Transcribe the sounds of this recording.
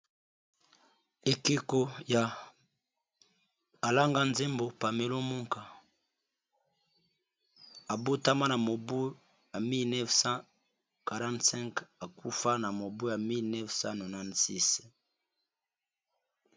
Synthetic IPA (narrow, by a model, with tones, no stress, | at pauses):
e˨ke˦ko˦ja˨ | a˨la˦ŋɡa˦nze˦mbo˨pa˨me˨lo˦mu˦ŋka˨ | a˨bo˦ta˦ma˦na˨mo˨bu˦ | ja˨mi˦lnɛ˦fsã˦ | ka˨ʁã˦ntsɛ̃˦ŋka˨ku˦fa˦na˨mo˨bo˦ja˨mi˦lnɛ˦fsã˦no˨na˦n˨si˦s